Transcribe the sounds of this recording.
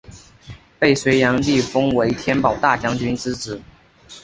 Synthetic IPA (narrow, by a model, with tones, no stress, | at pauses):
pe˥˩ɪswe˧˥ɪjɑ˧˥ŋli˥˩fɤ˥ŋwe˧˥ɪt̪ʰjɛ˥npɑ˨˩ʊt̪a˥˩t͡ɕjɑ˥ŋt͡ɕy˥nt͡sɹ̩˥ʈ͡ʂɻ̩˨˩˦